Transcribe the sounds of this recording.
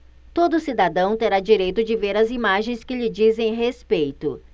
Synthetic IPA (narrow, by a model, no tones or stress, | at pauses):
t̪od̪ʊsid̪ad̪ɐ̃w̃t̪eɾad͡ʒiɾejt̪ʊd͡ʒɪveɾɐzimaʒẽj̃skɪʎɪd͡ʒizẽj̃ɦespejt̪ʊ̰